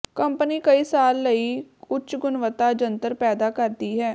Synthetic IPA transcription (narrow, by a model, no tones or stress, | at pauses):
kəmpniːkəiːsaːlːəiːʊt͡ʃɡʊnʋət̪aːd͡ʒənt̪əɾpɛːd̪aːkəɾd̪iːɦɛː